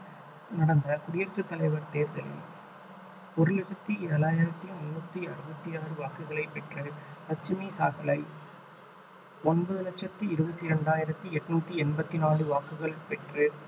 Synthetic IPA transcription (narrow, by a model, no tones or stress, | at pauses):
nɐɽɐnd̪ɐkʊɽɪjɐɾt͡ʃːɯt̪ːɐlɐɪʋɐɾt̪eːɾðɐlḛ | pɔɾɯlɐt͡ʃːɐt̪ːɯɪɐlaːjɪɾɐt̪ːimʊnːɐt̪ːiɐɾɯbɐt̪ːiaːɾɯʋaːkɯɣɐɭɐɪpɛʈrɯpɐt͡ʃːɯmisa̰ːɣɐlɐɪ | ɔnbɐðɯlɐkt͡ʃːɐt̪ːɯɪɾɯbɐt̪ːiɾɛɳɖaːjɪɾɐt̪ːɯɛʈːnuːt̪ːiɛnbɐt̪ːinaːɾɯʋaːkɯɣɐɭɐpɛʈrɯ